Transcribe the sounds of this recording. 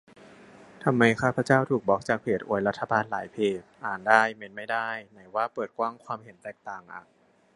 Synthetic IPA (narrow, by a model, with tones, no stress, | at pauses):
t̪ʰa˧mːa˧jkʰaː˥˩pʰa˧˥t͡ɕaː˥˩wt̪ʰuː˨˩k̚bɔː˨˦˥k̚t͡ɕaː˨˩k̚pʰeː˨˩t̪̚ʔo̰˨˩jɾa˦˥t̪ʰːa˧baː˧nlaː˩˦jpʰeː˨˩t̪̚ʔaː˨˩ndaː˥˩jme˧nma˥˩jdaː˥˩jna˩˦jwaː˥˩pɤː˨˩t̪̚kwaː˥˩ŋkʰwaː˧mhe˩˦nt̪ɛː˨˩k̚t̪aː˨˩ŋʔa̰ː˨˩k̚